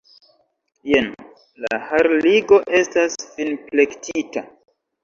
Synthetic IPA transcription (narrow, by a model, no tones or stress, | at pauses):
jen | la̰haɾliɡo̞ʔe̞stasfinple̞ktʰita